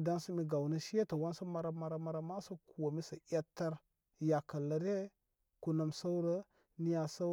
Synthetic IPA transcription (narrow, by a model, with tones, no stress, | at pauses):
da˦nsa˦mi˦ɡa˨wnə˦ʃi˦ja˦ta˨wa˦nsa˦ma˨ɾa˦ma˨ɾa˨˦ma˨ɾa˦ma˦sa˦ku˨wa˨mi˦sa˨ʔa˦tːa˦ɾ | ja˨ka˨la˨˦ɾe˦ | ku˨na˨msa˦u˦ɾə˦ | ni˦ja˨sa˦